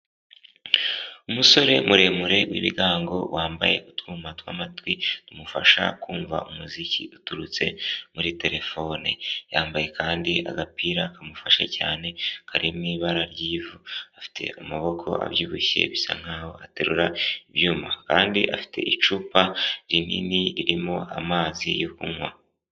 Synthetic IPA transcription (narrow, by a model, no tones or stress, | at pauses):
umuso̞ɾe̞muɾe̞muɾe̞wḭβḭɡaːŋɡo̞̰waːmba̰je̞̰utkuːmatwamatwinumufaʃa̰kuːɱva̰umuziciutuɾut͡se̞muɾite̞ɾe̞fo̞nḭjaːmbaje̞kaːndiʔa̰ɡapiːɾakamufaʃa̰ca̰ːne̞kʰaɾimŋiːβaɾaɾɟiːvuafi̥tʰe̞̰ʔumuβo̞kʰo̞̰ʔa̰βjuːβuçe̞̰βisa̰ŋ̥haːho̞̰ateɾuɾaiβjuːmakaːndiʔafi̥tʰe̞̰ʔit͡ʃuːpaɾinḭniiɾimo̞a̰maːzijokuŋwa